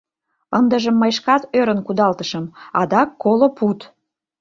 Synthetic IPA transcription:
ənd̪əʒəmːəjʃkɑt̪øɾənkud̪ɑlt̪əʃəmɑd̪ɑkːolopʰut̪

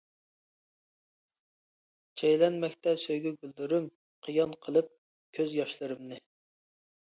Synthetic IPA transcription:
t͡ʃʰɛjlɛnmɛkʲt̪ʰɛsøjɡʲɛɡʲylːyɾym | qʰijɑnqʰəlˠɨp̚ | kʲʰøzjɑʃlˠɨɾɨmnɨ

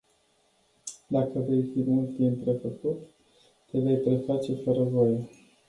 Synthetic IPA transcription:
d̪akəve̞jfimult̪t̪inp̪ɾe̞fəkut̪ː | eve̞jpɾe̞fat͡ʃe̞fəɾəvo̞je

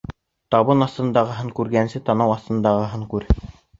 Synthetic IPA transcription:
t̪ɑβɤnɑθt̪ɤ̆nd̪ɑʁɤ̆ɦɤŋkʉɾɡænsɘt̪ɑnɑwɑθt̪ɤ̆nd̪ɑʁɤ̆ɦɤŋkʉɾ

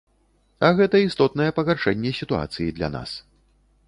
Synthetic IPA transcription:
ɐɣɛt̪ɐist̪ɔt̪nɐjɛpɐɣarʂɛnʲːɛsʲit̪ua̰t̪sɨjid̪lʲa̰na̰s

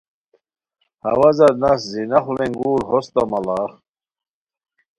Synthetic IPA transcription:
hɐ̰wɐzɐɾnɐszinɐχuleŋɡuːɾhost̪ɐmɐlaːχ

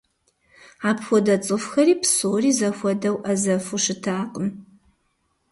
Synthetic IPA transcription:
aːpxʷɔdɐt͡sʼɨfxɐriːpsoːriːzɐxʷɔdɐwʔɐzɐfuʂɨtʰaːqəm

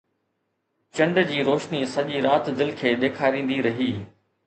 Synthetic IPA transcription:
t͡ɕɐ̃ɳɖd͡ʑiːɾoːʃnisɐʄiɾaːt̪d̪ɪlkʰeːɗ̪eːkʰaːɾĩːn̆d̪iɾɐɦiː

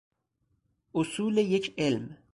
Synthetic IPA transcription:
ʔʊsuːlejecʰelm

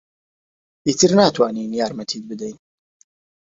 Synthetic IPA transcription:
it̪ʰɨɾnaːt̪waːniːnjaːɾmɐt̪ʰiːt̪̚bɨd̪ejn

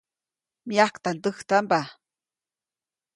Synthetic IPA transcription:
miakt̪ant̪əht̪amba

